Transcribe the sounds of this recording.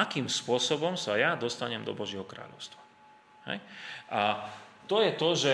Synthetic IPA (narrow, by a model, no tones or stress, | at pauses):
akiːmspʊɔsɔbɔmsajad̪ɔst̪aɲɛmd̪ɔ̰bɔʒɪɛɦɔkɾa̰ːʎɔ̰ʊst̪ʋa | hɛ̰jʔat̪ɔjɛt̪ɔʒɛ